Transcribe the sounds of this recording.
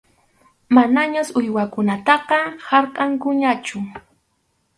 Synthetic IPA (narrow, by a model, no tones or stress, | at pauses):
manaɲasʊjwakʊnat̪ɑqɑhɑɾqʼɑŋkʊɲat͡ʃʊ